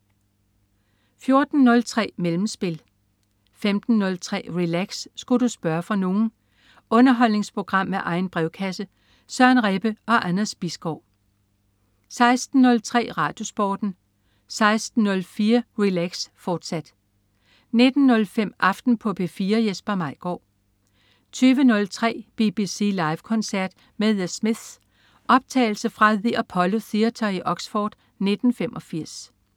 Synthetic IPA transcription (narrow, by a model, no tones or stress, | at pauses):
fjo̝ɐd̥n̩ːɔ̽lt͡sʰʁɛ̰ːmelm̩sb̥e̝l | femd̥n̩ːɔ̽lt͡sʰʁɛ̰ːʁilæɡ̥sːɡ̥udusb̥ɶɐfʁɑ̈no̝ːn̩ | ɔ̽nɐɦɒ̽l̰ne̝ŋspʰʁo̝ɡ̥ʁɑ̈m̰ːeʔɑ̈ɪn̩b̥ʁɛʊkʰæsə | sɶɐnʁɛb̥əɒ̽ʔænɐsb̥isɡ̥ɒʊ̰ | sɑ̈ɪsd̥n̩ːɔ̽lt͡sʰʁɛ̰ːʁɑ̈ːd̥jo̝sb̥ɒːd̥n̩ | sɑ̈ɪsd̥n̩ːɔ̽lfiːɐʁilæɡ̥sfɒːd̥sæd̥ | ne̝d̥n̩ːɔ̽lfem̰ʔɑ̈fd̥n̩pʰɒ̽bʰe̝fiːɐjesb̥ɐmɑ̈ɪ̰ɡ̥ɒ̰ː | t͡sʰyːʋənɔ̽lt͡sʰʁɛ̰ːb̥ib̥isḭlɑ̈ɪʋkʰɒ̽nsæɐ̰d̥ | meðˠəsmið̥s | ʔɒ̽b̥̚t͡sʰɛ̰ːɪl̩səfʁɑðiæpʰɒ̽lo̝θiɐt͡sʰɒiʔɒ̽ɡ̥sfɒːd̥ | ne̝d̥n̩fem̰ʔɒ̽fiɐ̰s